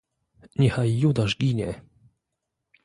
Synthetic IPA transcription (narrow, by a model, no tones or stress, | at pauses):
ɲɛxajːud̪aʃɡʲiɲɛ